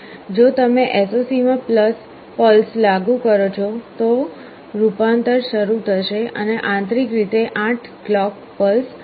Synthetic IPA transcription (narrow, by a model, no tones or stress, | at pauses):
d͡ʒot̪əmeʔesosimãpləs | pəlslaɡũkəɾot͡ʃʰot̪o | ɾupant̪əɾʃəɾut̪ʰəʃeʔə̰neʔãnt̪ɾikɾit̪eʔãʈʰklɔk̚ | pəls